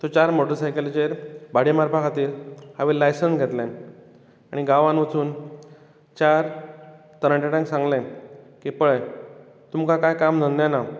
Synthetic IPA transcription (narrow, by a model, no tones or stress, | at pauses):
t̪ot͡ɕaɾmoʈəɾsajkelt͡ɕeɾbaɽimaɾpʰakʰat̪iːɾhaʋelajsənsɡʱɛt̪lɛ̃ | aɽ̃iɡaʋãnʋət͡suːn | t͡ɕaɾ | t̪əɾəɳʈeʈãŋksãŋɡlɛ̃kipəɭe | t̪umkãkajkamn̤ənjana